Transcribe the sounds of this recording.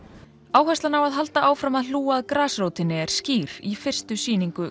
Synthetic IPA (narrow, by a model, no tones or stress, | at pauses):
aːwhɛst̪lanawaðɦalt̪aʔaːwfɾamaðluːaðkɾaːsroːwt̪ɪnːɪɛɾ̥sciːɾ̥ifɪr̥st̪ʏsiːniŋkʏ